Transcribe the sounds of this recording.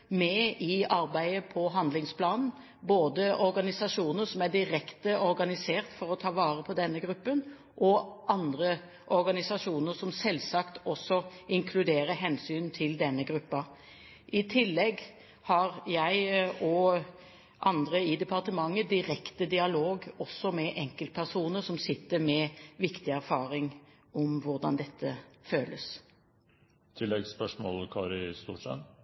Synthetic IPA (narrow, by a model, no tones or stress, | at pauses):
mɛɪɑɾbæɪəpʰɔɦɑnd̪lɪŋspʰlɑːnn̩ | boːd̪əʔɔɾɡɑnɪsɑʂuːnəɾsɔmæd̪ɪɾɛkt̪əɔɾɡɑnɪseːʁt̪fɔɾɔt̪ʰɑːʋɑːɾəpʰɔd̪ɛnːəɡɾʉpːən | ʔɔʔɑnd̪ɾə | ʔɔɾɡɑnɪsɑʂuːnəɾsɔmsɛlsɑkt̪ɔsːɔɪŋkʰlʉd̪eːɾəɦɛnsyːnt̪ʰɪld̪ɛnːəɡɾʉpːɑ | ʔɪt̪ʰɪlːɛɡ | hɑʁjæɪɔ | ʔɑnd̪ɾəɪd̪ɛpʰɑʁt̪əmɑŋːəd̪ɪɾɛkt̪əd̪ɪɑloːɡɔsːɔmɛʔɛŋkəlt̪̚pʰæʁsuːnəɾsɔmsɪt̪ːəɾmɛʋɪkt̪ɪæɾfɑːɾɪŋ | ɔmʋʊɾd̪ɑ̰nd̪ɛt̪ʰːəføːləs | t̪ʰɪlːɛɡspœʂmɔ̰ːlkʰɑːɾɪst̪ṵːʂɛ̰t̪